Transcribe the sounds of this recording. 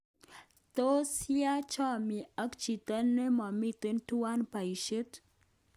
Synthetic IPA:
t̪o˦si˦a˦t͡ʃɔ˦mi˨a˦kt͡ʃi˨t̪ə˦nːe˦mɔ˨mɪ˦t̪ɪ˦ntu˦wa˦npa˨i˨ʃe˦t̪

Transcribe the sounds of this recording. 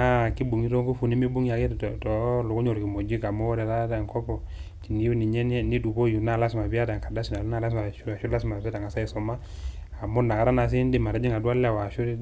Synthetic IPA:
a˦ki˦bu˨ŋi˦ɾo˦ŋku˦fu˨ni˦mi˦bu˦ŋja˨ke˦˨tɔ˨˦lʊ˨ku˦ɲo˨ɾki˨mo˨d͡ʒi˦ka˨mɔ˦ɾɛ˨ða˦da˨ŋkɔ˦pɔ˨ | t͡ʃi˨ni˨˦u˦ni˨ɲɛ˦n˦ni˦du˨bo˦ju˨na˦˨la˦sma˨bi˦a˦da˨ŋka˨da˦si˨na˨lu˦na˦˨la˦s̬ma˨˦a˨ʃu˦la˦s̬ma˨βɛ˦ta˨ŋa˨sa˦i˦sɔ˨ma˦a˨mo˦na˨ka˦ɾa˦na˨s̬i˦ndi˦ma˨ɾa˨d͡ʒi˦ŋa˨dwa˦lɛ˦a˨wa˨ʃu˦

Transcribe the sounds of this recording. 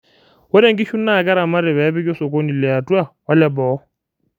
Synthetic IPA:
wʊ˦ɾe˦ŋ̩˦kʼi˦ʃu˦n̩˦na˦˨ka˦ɾa˨ma˦ɾɪ˨bɛ˨a˦bɪ˦kɔ˦sɔ˨kʼo˦ni˨lɪ˨a˨tʼwa˦wa˦lɛ˦bɔː˨˦

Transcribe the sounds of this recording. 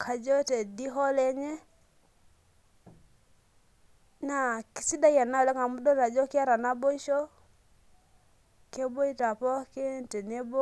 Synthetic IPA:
kʰa˨d͡ʒɔ˦tɛ˨di˦ɦɔ˦lɛ˦ɲɛ˦ | na˨ki̥˨si˦da˦ja˨na˦˨lɛ˦ŋa˨mu˦dɔ˦ta˨d͡ʒɔ˦ki˦a˦ɾa˨na˦bɔ˦i˦ʃɔ˦ | kɛ˦bɔ˦i˦ta˨pɔ˦ke˦n˨tɛ˨nɛ˦bɔ˦

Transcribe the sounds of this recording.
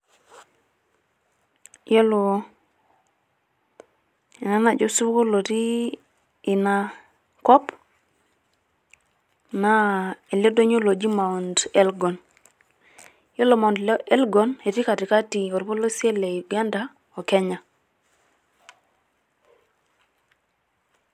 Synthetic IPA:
jo˦lo˨ | na˦na˨d͡ʒo˦su˦ko˦lo˨tiː˦˨ | na˦ | kɔ˦p | na˦e˨le˦do˦ɲo˦lo˨d͡ʒi˦ma˨u˨nde˦lɡɔ˨n | jo˦lo˨ma˨u˨ndle˦lɡɔ˨ne˨ti˦ka˨ti˨ka˦ti˨o˨ɾi˦po˦lo˦si˦e˦le˨i˨ɡa˦nda˨ | o˨ke˦ɲa˨

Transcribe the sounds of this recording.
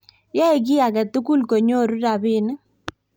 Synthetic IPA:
ja˦e˨ɡɪ˦a˨ɡa˨t̪u˦ku˦lko˨ɲo˦˨ɾu˦da˨bɪ˦n˦

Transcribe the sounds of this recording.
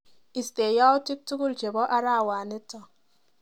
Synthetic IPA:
i˨ste˨ja˦ʊ˦tɪ˦k̚tu˦ku˦lt͡ʃe˨bɔ˦ʔa˦ɾa˦˨wa˨nɪ˦tɔ˨

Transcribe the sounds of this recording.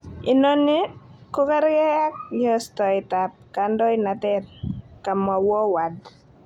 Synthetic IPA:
ɪ˨no˦nɪ˦ko˦ka˦ɾɡɛ˦ja˦k̚jɔ˦stɔ˨ɪ˨ta˨p̚ka˨ndɔ˦ɪna˨tɛ˦rka˨ma˨wɔ˦wa˨d

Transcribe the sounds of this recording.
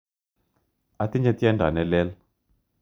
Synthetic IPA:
a˨ti˦nd͡ʒa˦ti˦ɛ˦ndʱa˨nɛ˨lɛ˦la

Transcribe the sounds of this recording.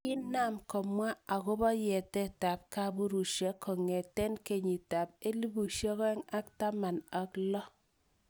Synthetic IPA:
ɪ˦na˨mkɔ˨mwa˦a˨kʊ˦bɔ˦jɛ˨tɛ˦ta˨p̚ka˦bu˦ɾu˨ʃɛ˦kʰɔ˨ŋɛ˨tɛ˦nke˨ɲi˨ta˨p̚e˦li˦bu˨ʃɔ˦kɛ˦ŋa˦kta˦ma˨na˨klɔ˦

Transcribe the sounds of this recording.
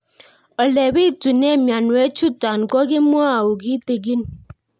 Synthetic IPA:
ə˨le˨bi˦˨tu˨ne˦˨mja˨n˨ɛ˦t͡ʃu˦ta˨n˨kɔ˦ɡi˦m˦a˦˨u˨ɡi˦te˨ɡi˦n

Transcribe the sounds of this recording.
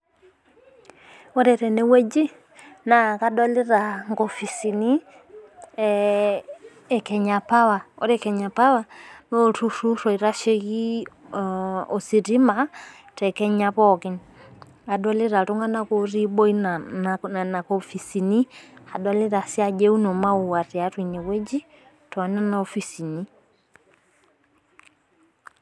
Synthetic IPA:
ɔ˦ɾɛ˨ɾɛ˨nɛ˦wɛ˦d͡ʒi˦ | na˨ka˦dɔ˦lɛ˦ɾa˨ŋɡɔ˨fi˨si˨ni˦ | ɛ˨kɛ˨ɲa˨pa˦wa˨ɔ̰˦ɾɛ˦kɛ˨ɲa˨pa˦wa˨m˦o˨ɾu˦ɾu˦ɾɔ˨i˨ɾa˦ʃe˦ki˦ | ɔ˨si˨ɾi˦ma˦ | tɛ˨kɛ˦ɲa˦pɔ˦kɛ˦n | a˨dwa˦li˦ɾa˨tɔ˦ŋɡa˦na˦kɔ˦ɾi˦ɓɔ˦i˦nana˨na˨kɔfi˨si˨ni˦a˨dwa˦li˦ɾa˨si˦a˦˨d͡ʒɛ˦u˦nɔ˨ma˦u˨wa˨ɾi˨a˦twi˨ɲɛ˨we˦d͡ʒi˦ | tɔ˨a˨na˦na˨ɔ˦fi˦˨si˨ni˦

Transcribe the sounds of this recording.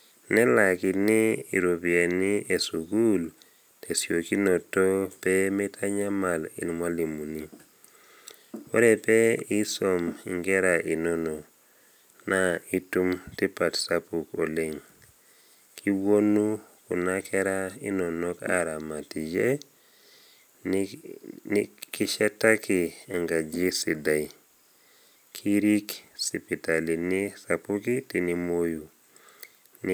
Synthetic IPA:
nɛ˦la˨kɪ˨tnɪ˦ḭ˨ɾo˨bi˨e˨ni˦ʔe˨su˨ɡu˦l | tʰe˨sjo˨ki˦no˨to˦pɛ˦mɛ˦tʰa˦ɲa˦ma˨lḭ˨nmwa˦li˨mu˨ni˦ | wo˦ɾɛ˨pɛ˦i˦so˨mḭ˨ŋɡɛ˦ɾa˨ʔi˨no˦no˨ | na˦i˦tu˦mti˦pa˨tsa˦pu˨ko˨le˦ŋ | kʰi˦wo˦nːuku˨nakeɾaḭ˦no˨noka̰˦ɾa˨ma˨ti˨d͡ʒe˦ | n | niki˦ʃe˦tːa˦ki˨a˨ŋɡa˨d͡ʒi˦si˨da˨j | kʰi˦ɾi˦ksi˨pita˨lini˦sapukiti˨ni˦mo˦ju | n

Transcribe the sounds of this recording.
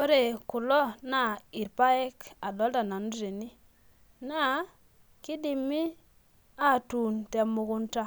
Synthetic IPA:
o˦ɾe˨ku˨lɔ˦na˨i˨ɾpa˦ɛ˦ka˨dɔ˨˦lta˨na˨n˦dɾe˨ni˦ | na˦˨ | ki˦di˨mi˦ | a˦˨tu˨nte˨mu˨kʊ˦nta˦

